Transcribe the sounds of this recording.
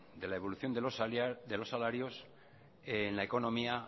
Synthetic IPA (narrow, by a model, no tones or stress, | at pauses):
d̪e̞lae̞β̞o̞luθjo̞nd̪sd̪elo̞sːalaɾjo̞s | enlaeko̞nõ̞mia